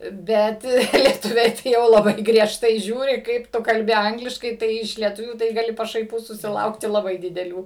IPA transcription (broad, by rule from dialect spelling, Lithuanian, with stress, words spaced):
ˈbʲɛt lʲiɛˈtʊʋʲɛɪ tɐɪ jɛʊ lˠɐˈbɐɪ ɡrʲiɛʃˈtɐɪ ˈʒʲuːrʲɪ ˈkɐɪp ˈtʊ kɐlʲˈbʲɪ ˈɐŋɡlʲɪʃkɐɪ ˈtɐɪ ɪʃ lʲiɛˈtʊʋʲuː tɐɪ ɡɐˈlʲɪ pɐʃɐɪˈpuː sʊsʲɪˈlˠɐʊktʲɪ lˠɐˈbɐɪ dʲɪdʲɛˈlʲuː